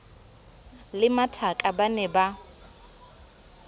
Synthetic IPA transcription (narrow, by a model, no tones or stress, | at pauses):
lɪmatʰakʼabanɛba